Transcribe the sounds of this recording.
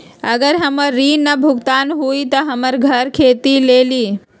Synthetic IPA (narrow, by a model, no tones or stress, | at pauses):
əɡəɾɦəməɾːinəbʱuɡt̪aːnɦuit̪əɦəməɾɡʱəɾkʰeːt̪ileːli